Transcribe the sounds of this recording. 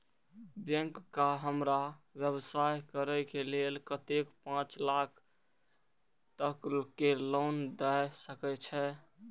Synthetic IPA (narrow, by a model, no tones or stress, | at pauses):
bjə̃ŋkːaɦəmɾaʋjəbsajkəɾɛkelelkət̪ekpãt͡ʃlakʰ | t̪əklkelond̪ɛsəkɛt͡ʃʰɛ